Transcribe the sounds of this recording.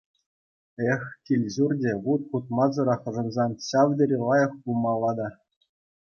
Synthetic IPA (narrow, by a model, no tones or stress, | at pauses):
exʲkʲilʲʑurdʲeʁut̪̚χut̪̚mɑzɤ̆ɾɑχɤ̆ʐɤ̆nzɑnɕɑʋd̪ʲɘɾʲilˠɑjɤ̆χpulˠmɑlˠːɑd̪ɑ